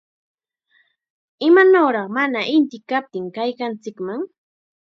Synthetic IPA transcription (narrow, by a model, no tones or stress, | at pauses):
ɪmanoɾɑχmanaʔɪnt̪ɪkap̚t̪ɪŋkajkant͡sɪkmaŋ